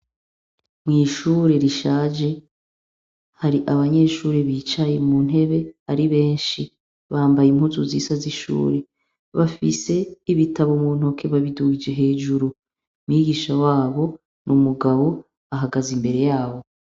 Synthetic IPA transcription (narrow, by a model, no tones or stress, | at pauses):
mŋiːʃuːɾe̞ɾiʃaːd͡ʒe̞ | haɾiʔaβaɲe̞ːʃuːɾeβiːt͡ʃajemun̥ɦe̞βe̞haɾiβe̞ːnʃi | βaːmbajim̥huzuziːsaziʃṵːɾe̞ | βafise̞iβitʰaβomuːn̥o̞kʰe̞βaβiduɡid͡ʒeɦe̞ːd͡ʒuɾu | mŋiːɡiːʃawaːβo̞ | nʔumuɡaβo̞ | aɦaɡazimbe̞ɾe̞jaːβo̞